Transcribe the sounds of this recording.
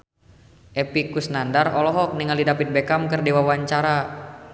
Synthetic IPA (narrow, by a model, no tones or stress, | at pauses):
ʔɛpikusnandarɔlɔɦɔk̚niŋalidapit̪̚bekamkɨrdewawaɲt͡ʃaɾa